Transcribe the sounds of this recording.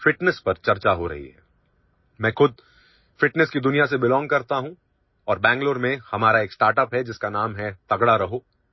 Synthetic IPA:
fɪʈnɛspɐɾt͡ʃɐɾt͡ʃaɦoɾɐ̰ɦḭɦɛ̰ː | mɛ̃ːxʊd̪̚ | fɪʈnɛskid̪ʊnijas̬ebɪlɔ̃ːŋɡ̚kɐɾt̪aɦũ | ɔːɾbɛ̃ːŋɡloːɾmẽhɐmaːɾaeːksʈaːɾʈəpɦɛd͡ʒɪskanaːmɦɛt̪ɐɡɽaɾɐɦoː

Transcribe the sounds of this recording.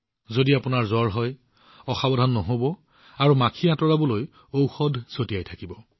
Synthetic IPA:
zodiapʊnaɹzɔɹɦɔj | ɔxabɔdʱanːɔɦobɔ | aɹumakʰiatɔɹabɔloj | owxɔdʱsotiajtʰakibɔ

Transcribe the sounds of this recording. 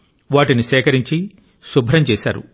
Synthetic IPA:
ʋaːʈiniʃɛːkɐɾiɲt͡ʃi | subʱɾɐmt͡ʃɛːʃa̰ːɾṵ

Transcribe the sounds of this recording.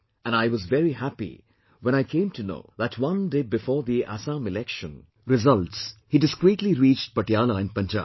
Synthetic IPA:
ʔɛ̃naɪwʌzvɛɾihæpḭ | wɛ̃ñaɪkʰẽɪ̃mtʰuno̰ʊðætʰwʌ̃ndeːbɨfɔːɾðiʔæ̰sãmɪlɛkʃə̃n | ɾɪzʌltshidɨskɾiːtliɾiːt͡ʃt̚pəʈjalaɪ̃npʌ̃nd͡ʒa̰ːb

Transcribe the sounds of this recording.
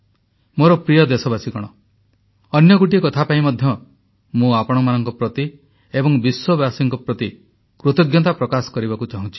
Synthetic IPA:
moɾɔpɾijɔd̪esɔbasikɔɽ̃ɔ | ɔnjɔɡuʈ̬iekɔt̪ʰapaimɔd̪ʱjɔ | mũapɔɽ̃ɔmanɔŋkɔpɾɔt̪i | ebɔŋbiswɔbasiŋkɔpɾɔt̪i | kɾut̪ɔɡjɔt̪̬apɾɔkasɔ̥kɔɾibakut͡ʃaɦũnt͡ʃʰi̥

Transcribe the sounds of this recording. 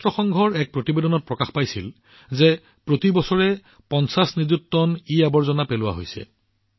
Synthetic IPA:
tɹɔxɔŋɡʱɔɹɛk̚pɹotibedɔnɔt̚pɹɔkaxpajsil | zɛ | pɹotibɔsɔɹɛ | pɔnsasnizuk̚tɔniabɔɹzɔnapelʊwa̰ɦo̰jsɛ̰

